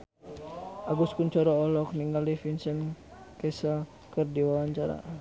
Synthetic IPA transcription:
ʔaɡuskuɲt͡ʃɔɾɔːlɔk̚niŋɡalifinsən | kɛsəl | kərdiwawaɲt͡ʃaɾa̰

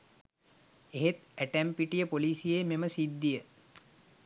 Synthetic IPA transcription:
eɦet̪æʈæmpiʈijəpoliːsijeːmeməsid̪ːijə

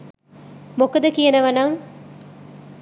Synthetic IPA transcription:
mokɐd̪ɐkijɐnɐʋɐnaːŋ

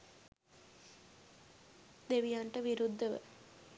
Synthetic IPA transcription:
d̪eʋijaɳʈəʋiɾud̪ʱːəʋə̰

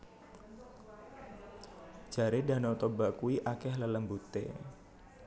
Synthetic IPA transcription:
d͡ʒ̥a̤ɾeda̤not̪obaʔkuiʔakɛhlələmbut̪ḛ

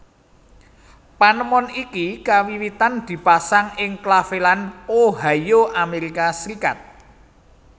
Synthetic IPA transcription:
panəmɔnikikawiwit̪and̪̥i̤pasaŋɪŋklafelanoɦajoʔameɾikasɾikat̪̚

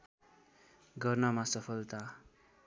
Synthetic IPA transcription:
ɡʌrnʌmasʌpʰʌlt̪a

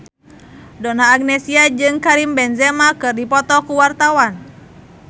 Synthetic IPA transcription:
dɔnaːɡ̚nɛsiad͡ʒɨŋkaɾimbɛnzɛmakɨrdipɔt̪ɔkuwart̪awan

